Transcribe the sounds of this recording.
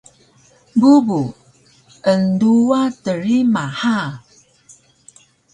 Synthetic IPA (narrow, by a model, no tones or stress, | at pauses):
bubu | ənduatəɾimaha